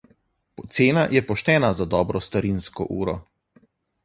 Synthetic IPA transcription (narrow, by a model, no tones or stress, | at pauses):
pɔt̪seːnajɛpɔʃt̪ɛːnazad̪ɔːbɾɔst̪aɾinskɔ̰ʔuːɾɔ